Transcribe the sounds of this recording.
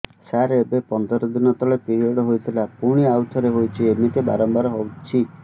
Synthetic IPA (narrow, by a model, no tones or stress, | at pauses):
saɾeebepɔnd̪ɔɾɔd̪inɔt̪ɔɭepiɾiɔɽɔɦojt̪ʰilapuɽ̃iawt̪ʰɔɾeɦojt͡ʃʰiemit̪eba̰ɾɔmbaɾɔɦɔwt͡ʃʰi